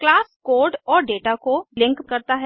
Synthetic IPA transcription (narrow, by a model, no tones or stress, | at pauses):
klaːskoːɾɖɔːɾɖeːʈakolɪ̃ŋkkɐɾt̪aɦɛ